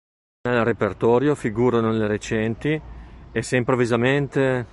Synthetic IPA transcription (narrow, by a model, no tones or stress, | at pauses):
nelrepert̪ɔːɾjofiɡuːɾanoleɾet͡ʃɛnt̪ieseimpɾovizament̪e